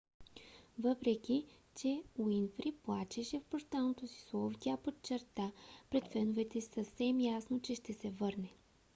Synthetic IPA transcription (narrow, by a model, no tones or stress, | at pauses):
vɤpɾɛkʲit͡ʃɛuinfɾiplˠat͡ʃɛʃɛfpoʃt̪alˠnot̪osi̥slˠovt̪ʲapot͡ʃɛɾt̪apɾɛt̪fɛnovɛt̪ɛsəfsɛmjasnot͡ʃɛʃt̪ɛsɛvɤɾnɛ